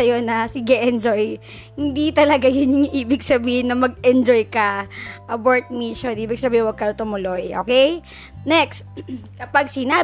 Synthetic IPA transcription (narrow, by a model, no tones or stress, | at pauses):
ɐjo̞nɐsɪɡɛʔɛnd͡ʒoj | hɪnd̪it̪ɐlɐɡajʊnjʊŋʔiːbɪɡsɐbiːhɪnːɐmɐɡ̚ɛnd͡ʒojkɐʔɐboɹt̪̚miʃonʔiːbɪɡ̚sɐbiːɪnwɐɡ̚kɐj̪ot̪ʊmʊlojʔo̰ːkɛj | nɛkst̪̚kɐpaɡsɪna